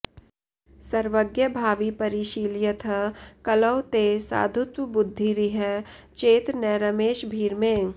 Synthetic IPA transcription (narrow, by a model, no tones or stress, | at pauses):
sɐɾʋəɡjəbʱaːʋipɐɾiːʃiːljət̪ʰəkɐləwt̪esa̰ːd̪ʱʊt̪wəbʊd̪ʱːiɾiɦə | t͡ʃeːt̪ɾnɛːɾɐmeːʃbʱiːɾmẽ